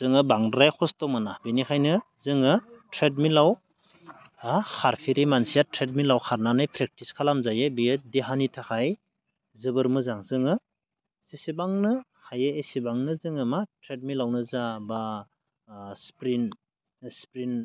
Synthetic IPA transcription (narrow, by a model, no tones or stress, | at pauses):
zɯŋɯbaŋɾajkʰɔstɔmanabinikʰajnɯ | zɯŋɯtʰɾet̬̚milaw | ahʰaɾpʰiɾimansijatʰɾet̚milawxʰaɾnanɯjpʰɾek̚tiskʰalamzajɯbijɯdeɦanitʰaxʰaj | zɯbɯɾmɯzaŋzɯŋɯ | sisibaŋnɯ | hajeesibaŋnɯzɯŋɯmatɾet̚milawnɯzaba | spɾin | spɾin